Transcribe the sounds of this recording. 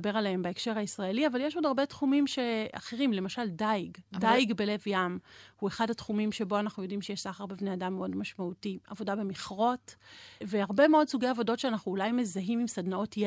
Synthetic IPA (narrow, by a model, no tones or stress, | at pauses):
beʁaleembaekʃe̞ʁhaisʁaeliavaljeʃodaʁbe̞tχumimʃea̰χeʁimle̞maʃaldajɡdajɡbe̞le̞vjamhue̞χadhatχumimʃe̞bo̞anaχnujo̞dimʃejeʃzaχaʁbebneadamːeo̞dmaʃmautia̰vo̞dabe̞miχʁo̞tveaʁbe̞meo̞dsuɡejavo̞do̞tʃeanaχnuːlajme̞zaɦimimsadnao̞tj